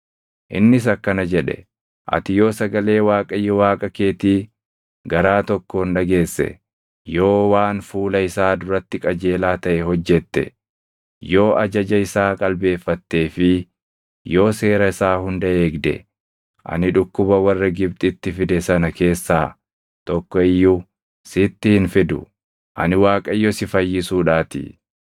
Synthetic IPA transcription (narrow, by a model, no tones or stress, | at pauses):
ʔɪ̰nːɪs̬ɐkːɐnɐd͡ʒɛᶑɛ̰ | ʔɐ̰t̪ɪjo̞ːsɐɡɐle̞ːwaːkʼɐjːɛwaːkʼɐke̞ːt̪iː | ɡɐɾaːt̪ɔkːonᶑɐɡe̞ːsːɛ̰ | jo̞ːwaːnfuːlɐɪsaːd̪ʊɾɐt̪ːɪkʼɐd͡ʒe̞ːlaːt̪ɐʔɛhɔd͡ʒːɛt̪ːɛ̰ | jo̞ːʔɐd͡ʒɐd͡ʒɐɪsaːkʼɐlbe̞ːfːɐt̪ːe̞ːfɪ | jo̞ːse̞ːɾɐɪsaːhʊnd̪ɐe̞ːɡd̪ɛ̰ | ʔɐ̰nɪᶑʊkːʊbɐwɐrːɐɡɪbt̪ʼɪt̪ːɪfɪd̪ɛsɐnɐke̞ːsːaː | t̪ɔkːɔɪjːu | sɪt̪ːɪhɪnfɪd̪ʊ̰ | ʔɐ̰nɪwaːkʼɐjːɔsɪfɐjːɪsuːᶑaːt̪ɪ̰